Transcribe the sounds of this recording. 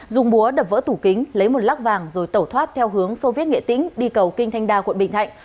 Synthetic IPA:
zʊ˨˩ŋ͡mɓu˨˦əɗə˨˩p̚və̰ː˧˥t̪u˧˩kï˨˦ŋ̟lə˨˦jmo˨˩t̚laː˦˥k̚vaː˨˩ŋzo˨˩jt̪ə˧˩wt̪ʰwaː˦˥t̚t̪ʰɛ˧wɦɨ˨˦əŋso˧vi˦˥ət̚ŋḛ˧˨t̪ḭ˧˥ŋ̟ɗi˧kə˨˩wki˧ŋ̟t̪ʰa˧jŋ̟ɗaː˧kwnɓḭ̈˧˨ŋʰa̰˧˨jŋ̟

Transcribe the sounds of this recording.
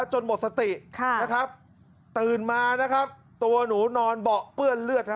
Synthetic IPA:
t͡ɕo˧nbo˨˩t̪̚sa˧t̪i˨˩ʔkʰna˦˥kʰɾa˦˥p̚ | t̪ɯː˨˩nmaː˧na˦˥kʰa˦˥p̚ | t̪u˧ɐnuː˩˦nɔː˧nbɔ˨˩ʔpɯ˥˩ənlɯ˥˩ət̪̚na˦

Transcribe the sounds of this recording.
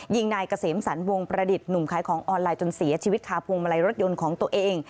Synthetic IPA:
ji˧ŋnaː˧jka˧seː˩˦msa˩˦nwo˧ŋpɾa˧di˨˩t̪̚nu˨˩mkʰaː˩˦jkʰɔː˩˦ŋʔɔː˧nlaː˧jt͡ɕo˧nsi˩˦ɐt͡ɕʰiː˧wi˦˥t̪̚kʰaː˧wpʰu˧ŋma˧la˧jɾo˦˥t̪̚jo˧nkʰɔː˨˩˦ŋt̪u˧əʔeː˧ŋ

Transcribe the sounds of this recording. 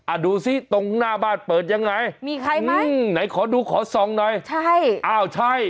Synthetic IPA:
ʔa˨˧˩duː˧si˦˥˨t̪o˧ŋnaː˥˩baː˥˩npɤː˨˩t̪̚ja˧ŋːa˧jmiː˧kʰa˧jma˦˥na˩˦jkʰɔː˩˦duː˧kʰɔː˩˦sɔ˨˧˦ŋnɔː˧jt͡ɕʰa˥˩jʔaː˧˩wt͡ɕʰa˥˩j

